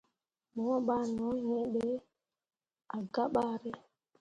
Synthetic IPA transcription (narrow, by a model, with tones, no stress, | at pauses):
mɔ˨˦ɓa˦nɔ˨˦ɲɛ˦ɗe˦ | a˨ɡa˦ɓa˦ɾɛ˦